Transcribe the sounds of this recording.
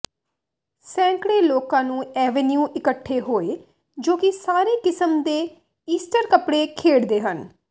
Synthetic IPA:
sɛ̃ːŋkɽeːloːkãːnũːɛːʋenjuːʔɪkəʈʰːeːɦoːeː | d͡ʒoːkɪsaːɾeːkɪsəmd̪eː | iːsʈəɾkəpɽeːkʰeːɽd̪eːɦən

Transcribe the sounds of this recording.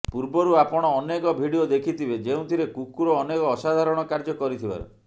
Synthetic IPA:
puɾbɔɾuapɔɽ̃ɔːnekɔbʱiɽiod̪ekʰit̪ʰibed͡ʒeũt̪ʰiɾekukuɾɔːnekɔːsad̪ʱaɾɔɽ̃ɔkaɾd͡ʒɔkɔɾit̪ʰiba̰ɾṵ

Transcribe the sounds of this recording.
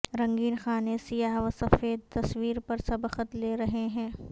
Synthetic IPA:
ɾɐ̃ŋɡiːnxaːnesijaːɦʋɐsɐfeːd̪̚t̪ɐswiːɾpɐɾsɐbəxət̪leːɾɐɦeɦɛ̃ː

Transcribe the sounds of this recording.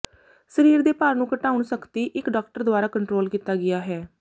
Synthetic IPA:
səɾiːɾd̪eːpaːɾnũːkəʈaːʊɳsəkt̪iːʔɪkɖaːkʈəɾd̪ʊaːɾaːkəɳʈɾoːlkiːt̪aːɡɪjaːɦɛː

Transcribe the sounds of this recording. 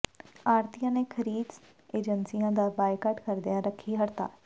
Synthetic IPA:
aːɾt̪ijãːneːkʰəɾiːd̪ | eːd͡ʒənsijãːd̪aːbaːjkəʈkəɾd̪ɪjãːɾəkʰiːɦəɾt̪a̰ː

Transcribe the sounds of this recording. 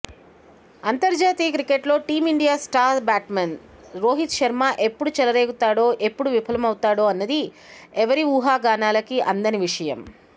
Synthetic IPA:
ɐnt̪ɐɾd͡ʒaːt̪iːjɐkɾikeʈlo̞ːʈiːmiɳɖijaːsʈaːɾbaːʈmɐn | ɾo̞ːɦit̪ʃɐɾmaːʔe̞pːuɽut͡ʃɛlɐɾe̞ːɡut̪aːɽo̞ːʔe̞pːuɽuʋipʰɐlɐmɐwt̪aːɽo̞ːɐnːɐd̪i | ɛʋɐɾiuːɦaːɡaːnaːlɐkiʔɐnd̪ɐniʋiʂɐjɐm

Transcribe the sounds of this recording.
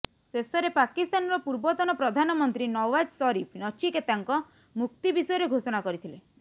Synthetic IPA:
sesɔɾepakist̪anɔɾɔpuɾbɔt̪ɔnɔpɾɔd̪ʱanɔmɔnt̪ɾinɔwad͡ʒsɔɾipʰnɔt͡ʃʰiket̪aŋkɔ | muk̚t̪ibisɔjɔɾeɡʱosɔɽ̃akɔɾit̪ʰile

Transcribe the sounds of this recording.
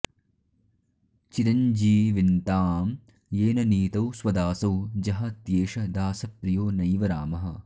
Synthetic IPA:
t͡ʃiɾɐɲd͡ʒiːʋint̪aːm | jeːnɐniːt̪ɐwswɐd̪aːsɐwd͡ʒɐɦɐt̪jeːʃɐd̪aːsɐpɾijoːnɐjʋɐɾaːmɐɦɐ̆

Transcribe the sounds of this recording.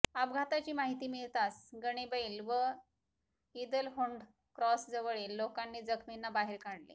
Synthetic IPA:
ab̚ɡʱat̪at͡ɕiːmaɦit̪iːmiɭt̪asɡəɽ̃ebəilʋə | id̪əlɦoɳɖ | kɾɔsd͡zəʋəɭilːokanːiːd͡zəkʰminːabaɦeɾkaɽlḭ

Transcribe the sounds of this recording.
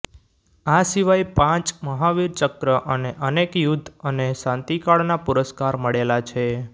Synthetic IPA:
asiʋajpãt͡ʃməɦaʋiɾt͡ʃəkɾəʔəneʔənekjud̪ʱːənesãnt̪ikaɭnapuɾəskaɾməɭelat͡ʃʰe

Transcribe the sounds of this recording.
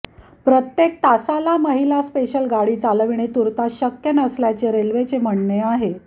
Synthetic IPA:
pɾət̪jek̚t̪asalaməɦilaspeɕəlɡaɽiːt͡salʋiɳ̃et̪uɾt̪aɕəkjənəsljat͡seɾelʋet͡sem̤əɳɳeaɦe

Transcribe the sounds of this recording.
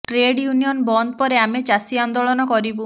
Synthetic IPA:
ʈɾeɖjunijɔnbɔnd̪̚pɔɾeamet͡ʃasiand̪oɭɔnɔkɔɾibu

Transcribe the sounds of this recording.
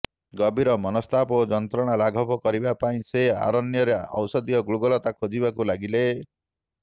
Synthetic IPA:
ɡɔbʱiɾɔmɔnɔst̪ʰapod͡ʒɔnt̪ɾɔɽ̃alaɡʱɔpɔkɔɾibapaĩsea̰ɾɔnjɔɾeɔ̰wsɔd̪ijɔɡɭuɡɔlɔt̪akʰod͡ʒibakulaɡile

